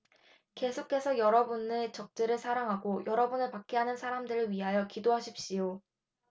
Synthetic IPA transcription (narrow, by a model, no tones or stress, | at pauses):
ke̞sʰokʰe̞sʰʌjʌɾʌbunɯt͡ɕʌk̚t͡ɕ͈eɾɯɭsʰaɾaŋɦaɡojʌɾʌbunɯɭpak͈ʰeɦanɯnsʰaɾamdɯɾɯɭɥiɦajʌkidoɦaɕʰip̚ɕ͈ijo